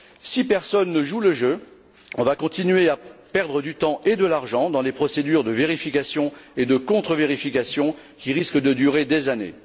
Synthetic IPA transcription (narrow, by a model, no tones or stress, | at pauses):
sipɛʁsɔnːəʒuləʒø | ɔ̃vakɔ̃t̪inɥeapɛʁd̪ʁəd̪yt̪ɑ̃ʔed̪əlaʁʒɑ̃d̪ɑ̃lepχɔsed̪yʁd̪əveʁifikasjɔ̃ed̪əkɔ̃t̪χəveʁifikʲasjɔ̃ | kʲiʁiskəd̪əd̪yʁed̪ezanḛ